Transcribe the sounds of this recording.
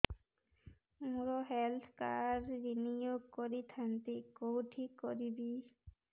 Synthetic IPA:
muɾɔɦɛlt̪ʰka̰ɾːinijoɡ̚kɔɾit̪ʰant̪ekowʈʰikoɾibi

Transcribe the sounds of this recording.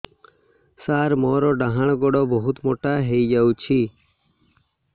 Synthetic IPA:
saːɾmɔɾɔɖaɦaɳ̃ɡɔɽɔbɔɦut̪moʈaɦejd͡ʒawt͡ʃʰi

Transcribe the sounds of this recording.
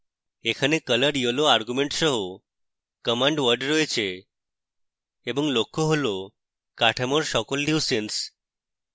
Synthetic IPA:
ekʰanekələɾjoloaɾɡumeɳʈsəɦo | kəmaɳɖʋəɾɖɾojt͡ɕe | bɔŋlokːoɦolo | kaʈʰamɔɾsɔkolːiwsens

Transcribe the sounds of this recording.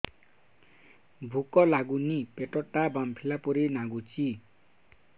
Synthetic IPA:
bʱukɔlaɡunipeʈɔʈːabampʰilapuɾinaɡut͡si

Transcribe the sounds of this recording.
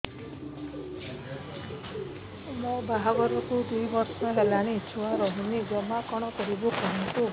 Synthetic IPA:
mũbaɦaɡɔɾɔkud̪ujbɔɾsɔɦelaɽ̃it͡ʃʰuwaɾɔɦunid͡ʒɔmakɔɽ̃ɔkɔɾibukɔɦink̪u

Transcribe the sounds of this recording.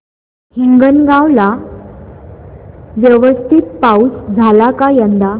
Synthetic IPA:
hiŋɡənɡawla | ʋjəʋəst̪ʰit̪̚pausd͡zʱalakajənd̪a

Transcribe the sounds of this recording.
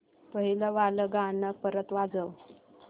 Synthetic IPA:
pəɦiləʋaləɡanəpəɾət̪ʋad͡zəʋ

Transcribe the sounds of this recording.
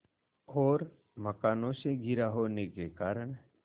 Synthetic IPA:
ɔːɾ | mɐkaːnõseɡʱɪɾaɦoːnekekaːɾəɳ̃

